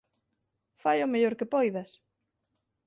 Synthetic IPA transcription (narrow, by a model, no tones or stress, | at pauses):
fajomeʎoɾkɪpojðɐs